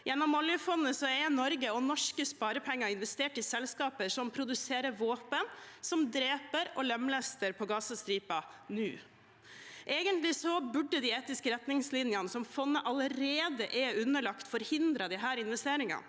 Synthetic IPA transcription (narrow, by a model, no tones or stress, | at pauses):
jɛnːɔmːɔljəfɔnːəsɔɛɾnɔɾɡəɔnɔʂkəspɑːɾəpʰɛŋːɑɪnʋɛst̪eːʈɪsɛlskɑːpəʂɔmpʰɾʊd̪ʉseːɾəʋoːpənsɔmd̪ɾeːpəɾɔlɛmlɛst̪əɾpʰɔɡɑːsɑst̪ɾiːpɑnʉ̰ː | ʔeːɡənt̪lɪsɔbʉɖːəd̪ɪeːt̪ɪskəɾɛt̪nɪŋslɪnjɑnəsɔmfɔnːəʔɑləɾeːd̪əʔɛʉnːəɭɑkt̪fɔɾhɪnd̪ɾɑd̪ɪɦæːɾɪnʋɛst̪eːɾɪŋɑ̰n